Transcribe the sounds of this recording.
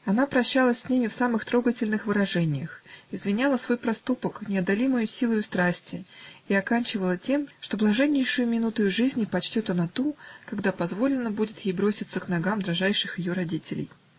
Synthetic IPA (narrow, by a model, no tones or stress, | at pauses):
ɐnapɾɐɕːalˠəsʲsʲnʲimʲɪfsamɨxt̪ɾo̞ɡətʲɪlʲnɨxvɨɾɐʐɛnʲɪjəxɪzvʲɪnʲalˠəsvo̞jpɾɐst̪upəknʲɪɐd̪ɐlʲiməjʊsʲilˠʊjʊst̪ɾasʲtʲɪiɐkanʲt͡ɕɪvəlˠətʲe̞mʂt̪o̞blˠɐʐɛnʲːɪjʂʊjʊmʲɪnut̪ʊjʊʐɨzʲnʲpɐt͡ɕtʲot̪ɐnɐt̪ukɐɡd̪apɐzvo̞lʲɪnːəbudʲɪt̪jejbɾo̞sʲɪt̪səknɐɡamd̪ɾɐʐajʂɨxjɪjo̞ɾɐdʲitʲɪlʲɪ̰j